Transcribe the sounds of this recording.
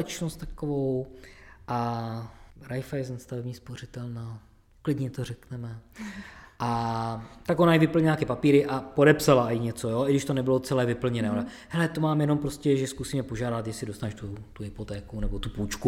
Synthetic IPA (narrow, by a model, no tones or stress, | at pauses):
ɛt͡ʃnost̪t̪akovowʔa | ɾajfajɛznast̪avɛbɲiːsporɪt̪ɛlna | klɪdɲɛt̪orɛknɛmɛ | ʔa | t̪akʔonajɛvɪpl̩ɲɛlakɛpapiːɾɪʔapodɛpsalajɪɲɛt͡so̞joːʔɪɡdɪʃt̪onɛbɪlot͡sɛlɛːvɪpl̩ɲɛnɛːʔona | hɛlɛt̪omaːmjɛno̞mpɾoscɛʒɛskusiːmɛpo̞ʒaːdat̪jɛʃsɪdo̞st̪anɛʃt̪ut̪uɦɪpot̪ɛːkunɛbo̞t̪upuːt͡ʃku